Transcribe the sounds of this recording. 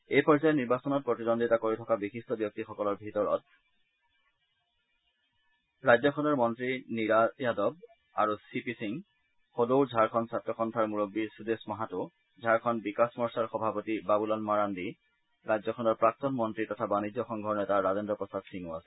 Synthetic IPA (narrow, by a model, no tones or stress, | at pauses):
ejpɔɹzajɔniɹbasɔnɔt̚pɹotidɔnditakoɹitʰɔkabixistɔbjɔk̚tixɔkɔlɔɹbʱitɔɹɔ̰t̚ | ɹajd͡ʑɔkʰɔnɔɹmɔntɹiniɹajadɔb̚ | a̰ɹusipisiŋ | xodowzʱaɹkʰɔnsatɹɔxɔntʰaɹmuɹobːiɹsudesmɔɦatʊ | zʱaɹkʰɔnbikasmɔɹsaɹxɔbʱapotibabulɔnmaɹandi | ɹajd͡ʑzɔkʰɔnɔɹpɹak̚tɔnmɔntɹitɔtʰabanid͡ʒɔxɔŋɡʱɔɹnɛtaɹazɔndɔpɔsadsiŋuasɛ